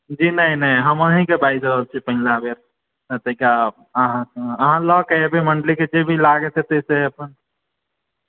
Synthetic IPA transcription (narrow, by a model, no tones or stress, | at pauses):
d͡ʒinəinəiɦəməɦĩkebajd͡ʒɾəɦəlt͡ʃʰipəɦilabeɾ | ət̪əika | əɦãəɦãləkəebeməɳɖliked͡ʒebʱilaɡet̪ɛt̪eseəpən